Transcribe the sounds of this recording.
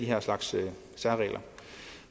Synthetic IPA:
d̥iɦæɐ̰slɑ̈ɡ̥sø | sæɐʁɛ̰ːlʔɐ

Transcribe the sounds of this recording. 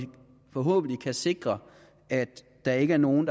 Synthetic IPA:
fɒɦo̰ːb̥n̩likʰæse̝ɡ̥ʁɐ | ʔæd̥ | d̥ɑ̈e̝ɡ̥əæɐno̝ːn̩d

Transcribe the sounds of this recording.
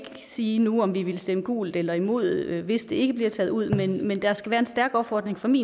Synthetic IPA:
siːnuɒ̽mʋiʋe̝lsd̥eməɡ̥ṵːld̥ˠelɐimo̝ð̞̰ˠʋe̝sd̥e̝e̝ɡ̥əb̥liɐt͡sʰɛð̞̩ˠuð̞̰ˠmenmend̥æsɡ̥æʋæːɐe̝nsd̥æɐɡ̥ɒ̽b̥fɒːd̥ʁeŋfʁɑmḭː

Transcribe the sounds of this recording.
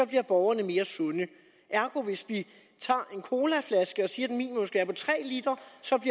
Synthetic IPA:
ɒ̽b̥liɐ̰b̥ɒʊɐnəme̝ːɐsɔ̽nə | ʔæɐɡ̥ʰo̝ʋe̝sʋi | t͡sʰɑ̰̈ːe̝nkʰo̝ːlæflæsɡ̥əɒ̽siːɐd̥enmḭːnimomsɡ̥æɐpʰɒ̽t͡sʰʁɛ̰ːlid̥ɐsɒ̽b̥liɐ

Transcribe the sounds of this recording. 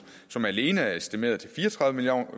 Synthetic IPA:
sɒ̽mæle̝ːnəæɐe̝sd̥ime̝̰ːɐðˠt͡sʰe̝lfiːɐɒt͡sʰʁɑ̈ðʋəmil̰

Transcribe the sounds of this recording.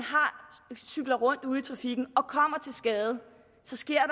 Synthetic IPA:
nɦɑ̈syɡ̥lɐʁɔ̽n̰d̥uð̞̰ˠit͡sʰʁɑ̈fiɡ̥n̩ɒ̽kʰɒ̽m̰ɐt͡sʰe̝lsɡ̥ɛːð̩ˠə | sɒ̽sɡ̥e̝ɐ̰ɾ̥

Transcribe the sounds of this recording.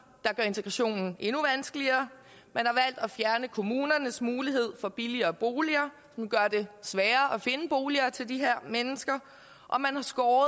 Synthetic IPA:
d̥ɑ̈ɡ̥ɶɐe̝nt͡sʰeɡ̥ʁɑɕo̝̰ːnn̩e̝nuʋænsɡ̥əliɐː | mænhɑ̈ʋæl̰d̥ɒfjæɐnəkʰo̝muːnɐnəsmuːliɦe̝ð̞̰ˠfɒ̽b̥iliɐːb̥o̝ːliɐː | sɒ̽mɡ̥ɶɐd̥e̝sʋɛːɐːʔɒfe̝nəb̥o̝ːliɐːt͡sʰe̝ld̥iɦeɐ̰menəsɡ̥ɐ | ʔɒ̽mænhɑ̈sɡ̥ɒː

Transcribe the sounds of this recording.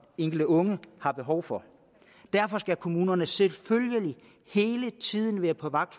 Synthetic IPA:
eŋ̰ɡ̥l̩d̥əɔ̽ŋəhɑ̈b̥e̝ɦɒʊ̰fɒ̽ | d̥æɐfɒ̽sɡ̥ækʰo̝muːnɐnəselføljəli | he̝ːlət͡sʰið̞̰ˠn̩ʋæːɐpʰɒ̽ʋɑ̈ɡ̥̚d̥

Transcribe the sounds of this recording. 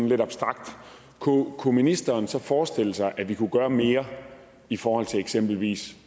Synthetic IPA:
nle̝dɑ̈b̥sd̥ʁɑ̈ɡ̥̚d̥ | kʰukʰuminisd̥ɐːnsɒ̽fɒːsd̥e̝l̰əsɑ̈ɪʔæʋikʰuɡ̥ɶːɐme̝ːɐ | ifɒːhɒ̽l̰t͡sʰe̝eɡ̥sem̰b̥l̩ʋḭːs

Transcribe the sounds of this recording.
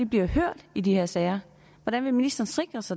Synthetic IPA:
ib̥liɐhøɐ̰d̥id̥iheɐ̰sɛːɪɐ | ʋɒɾ̥ænʋe̝minisd̥ɐːn̩sd̥ʁeɡ̥ʁɐsɑ̈ɪ

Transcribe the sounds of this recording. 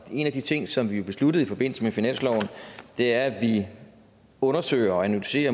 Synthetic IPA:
e̝næd̥it͡sʰe̝ŋ̰sɒ̽mʋijo̝b̥e̝slud̥ð̩ˠifɒ̽b̥e̝n̰l̩səmefinæn̰slɒʊ̰n̩d̥e̝æɐæʋi | ɔ̽nɐsø̰ɪ̰ɐɒænulyse̝̰ːɐ

